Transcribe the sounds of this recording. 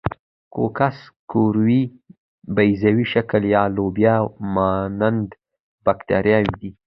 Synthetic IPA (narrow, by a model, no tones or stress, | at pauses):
ko̰kaskoɾwi | bajzawiʃakəljɑlobjamanand̪ | bakt̪a̰ɾjɑwid̪i